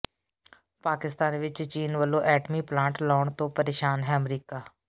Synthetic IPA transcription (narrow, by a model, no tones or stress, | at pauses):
paːkɪst̪aːnʋɪt͡ʃt͡ʃiːnʋəlõːʔɛːʈmiːplãːɳʈlɔːɳt̪õːpəɾeːʃaːnɦɛːəmɾiːkaː